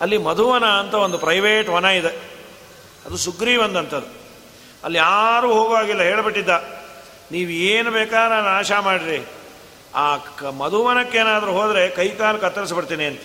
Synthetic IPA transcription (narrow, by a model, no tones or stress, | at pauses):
ɐlːimɐd̪ʱuʋɐnɐːnt̪ɐo̞nd̪upɾɐjʋeːʈʋɐnɐid̪e | ɐd̪usuɡɾiːbɐnd̪ɐnt̪ɐd̪u | ɐ̰lːijaːɾuːɦoːɡʋaːɡilːɐɦe̞ːɭbiʈːid̪ːa | niːʋueːnubeːkaːɾɐnaːʃamaːɽiɾi | aːmɐd̪ʱuʋɐnɐkːe̞ːnaːd̪ɐɾuɦo̞ːd̪ɾe̞kɐjkaːlɐkɐt̪ːɐɾis̬ɐbiɽt̪iːniɐnt̪ɐ